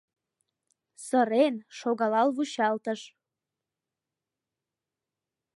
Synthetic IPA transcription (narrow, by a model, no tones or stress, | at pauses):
səɾenʃoɣɑlɑlβuɕɑlt̪əʃ